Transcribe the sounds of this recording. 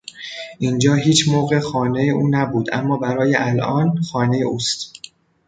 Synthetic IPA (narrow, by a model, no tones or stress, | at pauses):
ʔind͡ʒɒːɦiːt͡ʃʰmoːɣe̞xɒːne̞jeʔuːnæbuːd̪ʔæ̰mːɒːbæɾɒːjeʔælʔɒːnxɒːne̞jeʔuːst̪